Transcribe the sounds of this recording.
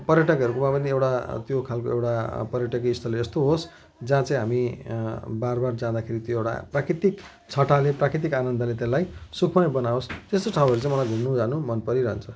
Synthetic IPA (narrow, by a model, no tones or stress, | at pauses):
pʌɾjʌʈʌkʌɾukomãpʌniewʈat̪jokʰalkoewʈapʌɾjʌʈʌkist̪ʰʌleest̪oɦos | d͡zãt͡sʌĩɦami | barbard͡zãd̪akʰeɾit̪joewʈa̰prakɾit̪ik | t͡sʰʌʈaleprakɾit̪̬ikanʌnd̪ʱalet̪elajsukʰmajbʌnaost̪est̪oʈʰawɦʌɾut͡sãĩj̃mʌlajɡʱumnud͡zanumʌnpʌɾiɾʌɦʌnt͡sʰʌ